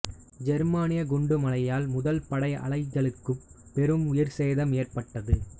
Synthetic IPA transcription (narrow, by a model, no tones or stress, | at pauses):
d͡ʒɛɾmaːnɪjɐɡʊɳɖɯmɐlɐjaːlmʊðɐlpɐɽɐɪɐ̰lɐɪd͡ʒːɐlɯkːɯpɛɾɯmʊjɐɾseːðɐmeːrpɐʈːɐðɯ